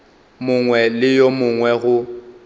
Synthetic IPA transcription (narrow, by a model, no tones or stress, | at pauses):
mʊŋwɛlɪjomʊŋwɛɣʊ